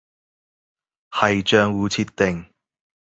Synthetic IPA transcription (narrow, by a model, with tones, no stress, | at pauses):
hɐ˨jt͡ʃœː˧ŋwuː˨˥t͡sʰiː˧tt̪ɪ˨ŋ